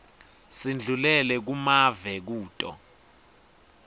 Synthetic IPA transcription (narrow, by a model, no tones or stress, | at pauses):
sind͡ɮʱulɛlɛk̬umavɛk̬uːtʼɔ̰